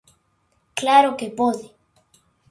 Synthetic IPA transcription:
klaɾokepoðe

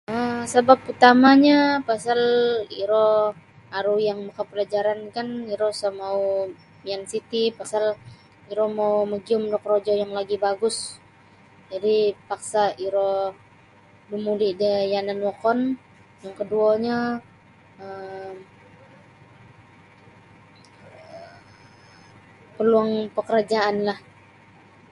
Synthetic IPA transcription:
əsəbaput̪amaɲapasaliɾɔ | aɾujaŋmakəpəlad͡ʒaɾankaniɾɔsamau | jaŋsit̪ipasal | iɾɔmauməɡiʊmdɔk̚rod͡ʒɔjaŋlaɡibaɡʊs | d͡ʒadipaksaiɾɔ | dumulidəjananwɔkɔn | jaŋkəduaɲa | ə | pəluaŋpəkəɾad͡ʒaʔanlah

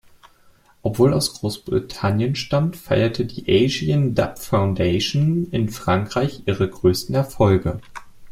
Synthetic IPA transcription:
ʔɔpv̥oːlaʊsɡ̥ʁoːsb̥ʁḭtʰanjənʃtamtfa̰ɪɐtʰədḭːʔɛɪʒiənda̰pfaʊndeɪʃonɪnfʁ̥aŋkʁ̥aɪçʔiːʁəɡʁøːstn̩ɛɐfɔlɡə

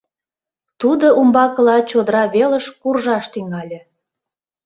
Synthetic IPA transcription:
t̪ud̪oʔumbɑkə̆lɑt͡ɕod̪əɾɑβelə̆ʃkurʒɑʃt̪yŋɑlʲĕ

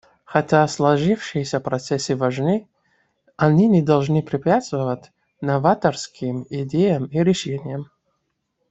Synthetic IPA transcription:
xɐtʲaslˠɐʐɨfʂɨjsʲəpɾɐt̪sɛsʲɨvɐʐnɨ | ɐnʲinʲɪd̪ɐlˠʐnɨpɾʲɪpʲat̪st̪vəvətʲ | nɐvat̪ərskʲʰɪmidʲejəmiɾʲɪʂenʲɪjəm

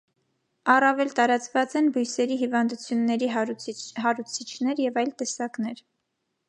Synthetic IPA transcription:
ɑrɑvɛlt̪ɑɾɑt͡svɑt͡sɛnbujsɛɾiɦivɑnd̪ut͡sʰjunːɛɾiɦɑɾut͡sʰit͡ʃʰnɛɾjɛvɑjlt̪ɛsɑknɛɾ

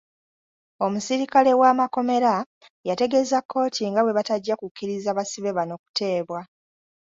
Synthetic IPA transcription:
o̞musiɾikale̞wamako̞me̞ɾa | jate̞ɡe̞zakʰːo̞ːtʰiŋɡawe̞βataɟːakukːiɾizaβasiβe̞βano̞ku̥te̞ːβwa

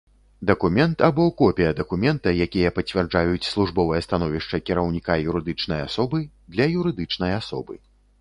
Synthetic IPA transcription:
d̪ɐkumʲɛnt̪abɔkɔpʲijɐd̪ɐkumʲɛnt̪ɐjakʲijɐpɐt͡sʲvʲɛrd͡ʐajut͡sʲslˠuʐbɔvɐjɐst̪anɔvʲiʂt͡ʂɐkʲiɾɐwnʲikajuɾɨd̪ɨt͡ʂn̪ɐjasɔbɨ | d̪lʲɐjuɾɨd̪ɨt͡ʂnɐjasɔ̰bɨ̰

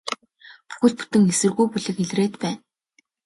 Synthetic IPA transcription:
pu̥xɘ̆ɮt̪̚pu̥t̪ɘ̆ŋesɘ̆rɣujpʊɮə̆keɮreːt̪pæːn

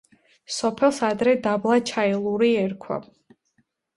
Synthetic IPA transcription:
sɔpʰɛlˠsad̪ɾɛd̪ablˠat͡ʃʰaɛlˠuɾiɛɾkʰwa̰

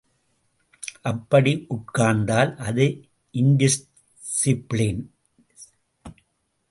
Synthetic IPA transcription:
ʔɐpːɐɽiʔʊʈ̚kaːɾnd̪aːlʔɐðɯ | ʔɪnd̪ɪs | sɪplɪn

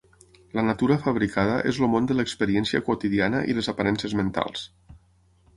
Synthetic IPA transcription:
lənat̪uɾəfəβɾikʰað̞əʔḛzlomond̪ələkspəɾiɛnsiə̰kwot̪iðianəʔḭləzapaɾɛnsəzmənt̪a̰lˠs

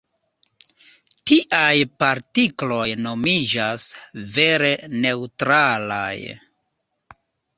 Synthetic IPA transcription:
tiʔajpaɾtiklo̞jno̞mid͡ʒasve̞ɾe̞ne̞wtɾala̰j

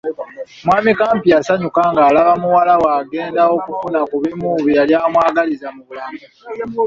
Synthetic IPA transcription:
mwaːmikaːmpijasaɲukaŋɡaːlaβamuwalawaːɡe̞ːndao̞kufunakuβimuβialjamwaːɡalizamuβulami

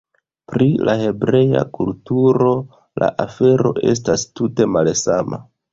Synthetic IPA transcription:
pɾilahe̞bɾe̞ja̰kultuɾo̞ | la̰ʔafe̞ɾo̞ʔe̞̰s̬tastute̞malsama

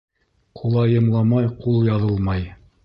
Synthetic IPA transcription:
qʰulˠɑjɤ̆mlˠɑmɑjqulˠjɑðɤlˠmɑj

